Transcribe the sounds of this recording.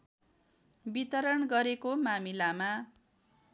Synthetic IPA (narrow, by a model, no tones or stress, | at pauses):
bit̪ʌɾʌɳɡʌɾekomamilama